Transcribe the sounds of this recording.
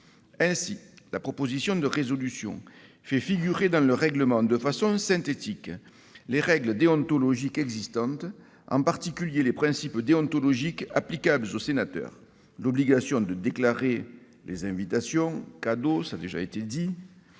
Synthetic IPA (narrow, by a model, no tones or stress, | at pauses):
ɛ̃silapχɔpozisjɔ̃d̪əʁezɔlysjɔ̰̃ | fɛfiɡyʁed̪ɑ̃ləʁɛɡləmɑ̃d̪əfasɔ̃sɛ̃nt̪et̪ik | leʁɛɡləd̪eɔ̃nt̪ɔlɔʒikɛɡzist̪ɑ̃t̪ | ɑ̰̃mpaʁt̪ikʲyljelepχɛ̃sipd̪eɔ̃nt̪olɔʒika̰plikabləzosenat̪œ̰ʁ | lɔbliɡasjɔ̃d̪əd̪eklaʁe | lʔezɛ̃vit̪asjɔ̃kad̪osad̪eʒa̰et̪ed̪i